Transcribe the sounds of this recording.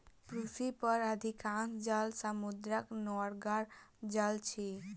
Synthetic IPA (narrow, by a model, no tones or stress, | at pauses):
pɾufʰipəɾəd̪ʱikãŋkd͡ʒalsəmud̪ɾəknɔɾɡaɾd͡ʒalt͡ʃʰi